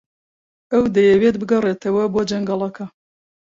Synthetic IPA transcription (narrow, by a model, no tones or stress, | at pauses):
ɐwd̪ɐjɛwet̪̚bɨɡɐreːt̪ʰɐwɐboːd͡ʒɐŋɡɑlˠɐkʰɐ